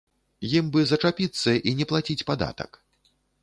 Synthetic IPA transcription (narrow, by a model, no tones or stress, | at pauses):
jimbɨzɐt͡ʂapʲit̪sːɐʔinʲɛplˠat͡sʲit͡sʲpad̪a̰t̪ɐ̰k